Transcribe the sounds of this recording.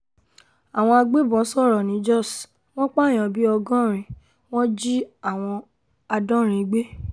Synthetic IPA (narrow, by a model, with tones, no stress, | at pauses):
a˨w̃ɔ̃˧a˧ɡ͡be˦bɔ̃˨˦sɔ˦˨ɾɔ˨nĩ˨˦d͡ʒɔ˦˨s | w̃ɔ̃˦k͡pa˦˨j̃ɔ̃˨bi˦ɔ˧ɡɔ̃˦ɾ̃ĩ˨ | w̃ɔ̃˦d͡ʒi˦a˦˨w̃ɔ̃˧ | a˧dɔ̃˦ɾ̃ĩ˨˧˦ɡ͡be˦